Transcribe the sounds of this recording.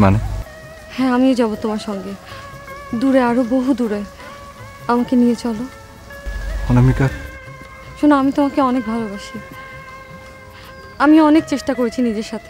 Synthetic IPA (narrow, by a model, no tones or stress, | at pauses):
mane | hɛ̃amiod͡ʑaβot̪omaɾʃɔŋɡe | d̪uɾeaɾoboɦud̪uɾe | amakenijet͡ɕɔlo | honamikaɾ | ʃonoamit̪omakeɔnek̚bʱalobaʃi | amiɔnekt͡ɕeʃʈakoɾet͡ɕʰinid͡ʑeɾʃat̪ʰe̥